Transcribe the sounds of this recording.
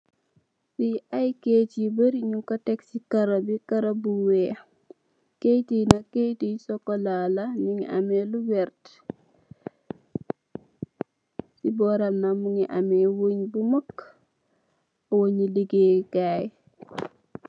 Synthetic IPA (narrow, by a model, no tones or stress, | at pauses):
siʔajket͡ʃibəɾiɲukɐteksikɐɾɐbikɐɾɐbuwe | kejtinakejtisokolalaniŋḭʔa̰melubɛɾt | sibɔɾamnamuŋiʔamewoɲbumɐk | owoɲiliɡekaj